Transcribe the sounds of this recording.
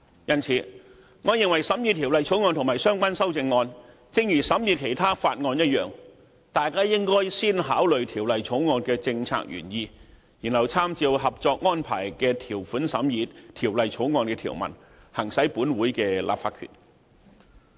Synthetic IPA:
jɐ˥nt͡sʰiː˨˥ | ŋɔː˨˧˥jɪ˨ŋwɐ˨˩jsɐ˨˥mji˧t̪ʰi˨˩wlɐ˨jt͡sʰo˨˥wŋɔː˧nt̪ʰʊ˨ŋmaː˨˩jsœː˥ŋkʷa˥nsɐ˥wt͡sɪ˧ŋːɔː˧n | t͡sɪ˧ŋjyː˨˩sɐ˨˥mjiː˨˧t̚kʰe˨˩jt̪ʰaː˥faː˧t̚ŋɔː˧njɐ˥t̚jœː˨ŋ | t̪aː˨jkaː˥jɪ˥ŋkɔː˥jsiː˥nɦaː˨˥wlɵ˨ɥt̪ʰiː˨˩wlɐ˨jt͡sʰo˨˥wŋɔː˧nkɛː˧t͡sɪ˧ŋt͡sʰa̰ː˧k̚jy̰ː˨˩njiː˧ | jiː˨˩nhɐ˨˩wt͡sʰaː˥mt͡siː˧wɦɐ˨p̚t͡sɔː˧k̚ŋɔː˥npʰa̰ː˨˩jkɛː˧t̪ʰiː˨˩wfuː˨˥nsɐ˨˥mjiː˧t̚t̪ʰiː˨˩wlɐ˨jt͡sʰo˨˥wŋɔː˧nkɛː˧t̪ʰḭː˨˩wmɐ̰˨˩n | hɐ˨˩ŋsɐ˨˥jpuː˨˥nwuː˨˥jkɛ˧lʔa̰ː˨p̚faː˧kʰy̰˨˩n

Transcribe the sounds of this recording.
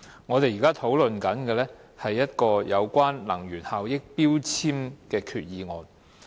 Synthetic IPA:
ŋɔː˨˧t̪e˨jiː˨kaː˥t̪ʰo˨˥wlɵ˨nkɐ˨˥nkɛː˧lɛ˥hɐ˨jːɐ˥t̚kɔː˧jɐ˨˧wkʷwaː˥nlɐ˨˩ŋjyː˨˩nhaː˨wjɪ˥k̚piː˥wt͡sʰiː˥mkɛː˧kʰyː˨t̚jiː˧ŋɔː˨˧n

